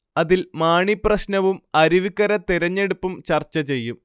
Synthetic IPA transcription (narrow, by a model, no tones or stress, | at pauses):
ɐðilmaːɳiprɐɕnɐʋumɐɾiʋikːɐɾɐt̪iɾɐɲːe̞ɽupːumt͡ɕɐrt͡ɕːɐt͡ɕe̞jːum